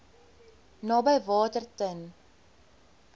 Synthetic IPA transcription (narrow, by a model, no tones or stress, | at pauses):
nɑːbəjvɑːtərtən